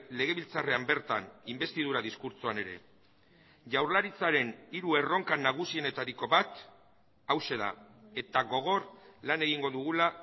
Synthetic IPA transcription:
le̞ɣe̞βilt͡sare̞ambe̞ɾt̪animbe̞st̪iðuɾaðiskuɾt͡soane̞ɾe̞̰ | ʝawɾlaɾit͡saɾe̞niɾue̞ro̞ŋkanaɣ̞usie̞ne̞t̪aɾiko̞βat̪ | awse̞ða̰ | e̞t̪aɣo̞ɣ̞o̞ɾlane̞ɣiŋɡo̞ðuɣ̞ula

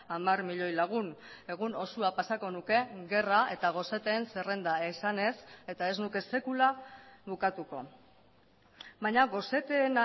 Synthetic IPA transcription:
amaɾmiʎo̞jlaɣ̞une̞ɣ̞uno̞suapasako̞nuke̞ɣe̞rae̞t̪aɣ̞o̞se̞t̪e̞ːnsere̞nd̪aisane̞se̞t̪ae̞znuke̞se̞kulaβukat̪uko̞ | βaɲaɣo̞se̞t̪eːna

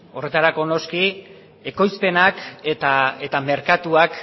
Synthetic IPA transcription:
o̞re̞t̪aɾako̞no̞ski | e̞ko̞jspe̞naket̪ae̞t̪ame̞ɾkat̪uak

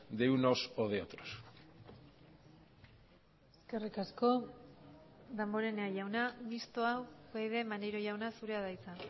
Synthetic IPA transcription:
d̪ewnosoðeot̪ɾos | eske̞rikasko̞ | d̪embo̞ɾe̞neaʝawnamist̪o̞awɣejðe̞maneɾoʝawnasuɾe̞aðajt͡sa

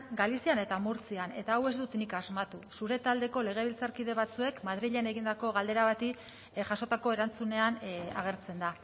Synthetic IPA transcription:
ɡalisiane̞t̪amuɾt͡siane̞t̪aːwe̞zd̪ut̪nikazmat̪usuɾe̞t̪ald̪e̞ko̞le̞ɣ̞e̞βilt͡saɾkið̞e̞β̞at͡sue̞kmað̞ɾiʎe̞ne̞ɣind̪ako̞ɣ̞ald̪e̞ɾaβat̪i | ʝaso̞t̪ako̞e̞ɾant͡sune̞ana̰ɣ̞e̞ɾt͡se̞nd̪a

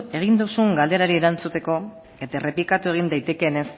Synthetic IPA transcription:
e̞ɣ̞ind̪usuŋɡald̪e̞ɾaɾie̞ɾant͡sut̪e̞ko̞ | e̞t̪are̞plikat̪ue̞ɣ̞ind̪ajt̪e̞ke̞ne̞s

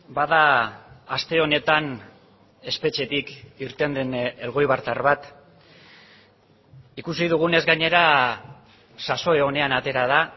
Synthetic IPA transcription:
baðaː | st̪e̞o̞ne̞t̪an | e̞spe̞t͡ʃe̞t̪ikiɾt̪e̞nd̪e̞ne̞lɣo̞jβaɾt̪aɾβat̪ | ikusiðuɣ̞une̞zɡaɲe̞ɾa | saso̞eo̞ne̞anat̪e̞ɾað̞a

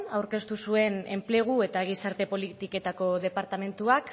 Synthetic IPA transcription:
awɾke̞st̪usue̞ne̞mple̞ɣ̞ue̞t̪aɣisaɾt̪e̞po̞lit̪ike̞t̪ako̞ðe̞paɾt̪ame̞nt̪uak

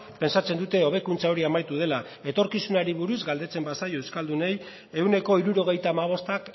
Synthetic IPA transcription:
pe̞nsat͡se̞nd̪ut̪e̞o̞β̞e̞kunt͡sao̞ɾiamajt̪uð̞e̞la | e̞t̪o̞ɾkisunaɾiβuɾuzɡald̪e̞t͡se̞mbasajo̞ewskald̪une̞j | e̞wne̞ko̞iɾuɾo̞ɣ̞e̞jt̪aːmaβ̞o̞st̪ak

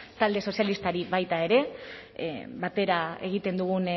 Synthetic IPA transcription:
t̪ald̪e̞so̞sijalist̪aɾiβajt̪ae̞ɾe̞ | bat̪e̞ɾae̞ɣ̞it̪e̞nd̪uɣun

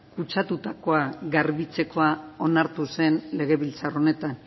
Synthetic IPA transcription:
kut͡ʃat̪ut̪ako̞aɣaɾβit͡se̞ko̞ao̞naɾt̪use̞nle̞ɣe̞βilt͡saro̞ne̞t̪an

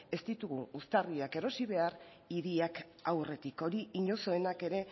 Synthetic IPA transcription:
e̞st̪it̪uɣuust̪ariake̞ɾo̞siβ̞e̞ar | iðiak | awre̞t̪iko̞ɾiiɲo̞so̞enake̞ɾe̞

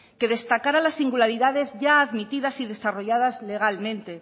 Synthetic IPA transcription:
ke̞ðe̞st̪akaɾalasːiŋɡulaɾiðaðe̞zʝaːðmit̪iðasiðe̞saro̞ʝaðazle̞ɣ̞almẽ̞nt̪e̞

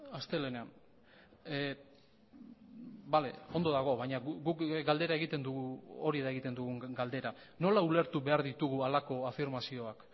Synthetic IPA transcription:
ast̪e̞le̞nean | bale̞̰o̞nd̪o̞ðaɣ̞o̞βajɲauɡukɡald̪e̞ɾae̞ɣit̪e̞nd̪uɣuoɾiðaeɣit̪e̞nd̪uɣuŋɡald̪e̞ɾa | no̞laule̞ɾt̪uβe̞aɾðit̪uɣualako̞afiɾmasio̞ak

